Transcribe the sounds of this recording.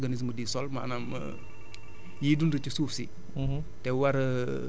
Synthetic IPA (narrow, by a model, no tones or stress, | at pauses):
ɡanis̬mədisɔlma̰namə̰ | jidunɾit͡ʃisufsi | tɛwaɾ